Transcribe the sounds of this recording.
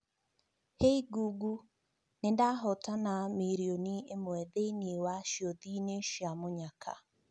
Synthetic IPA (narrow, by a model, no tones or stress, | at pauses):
heiɡuɡu | nendaɦɔtanamiɾioniemwɛðeniwaʃiɔðineʃjamoɲakʰa̰